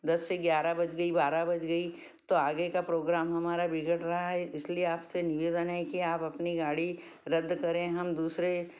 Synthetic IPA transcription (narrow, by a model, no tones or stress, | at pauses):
d̪ɐsːeɡjaːɾabɐt͡ʃɡɐibaːɾabɐt͡ʃɡɐi | t̪oaːɡekapɾoːɡɾaːmɦɐmaːɾabɪɡəʈɾɐɦaɦɛɪslieaːpsenɪʋeːd̪ənɦɛkiaːpɐpniɡaːɽi | ɾɐd̪ʱːkɐɾẽɦɐmd̪uːsɾe